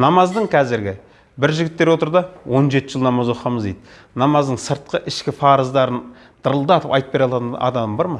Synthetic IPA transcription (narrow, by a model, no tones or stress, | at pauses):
nɑmɑzd̪əɴqʰɑzɪɾɡʲɪ | bɪɾʒɪɡʲɪt̪ːe̞ɾwo̞t̪əɾd̪ɑwo̞nʒe̞t̪ɪʒəlˠnɑmɑzo̞qɑməzd̪ejd̪ɪ | nɑmɑzd̪əɴsəɾt̪̚qəʔɪʃkʲɪfɑɾəzd̪ɑɾən | d̪̥əɾəlˠd̪ɑt̪əpɑjt̪əpbe̞ɾɑlˠɑt̪ənɑ̰d̪ɑməmbɑɾmɑ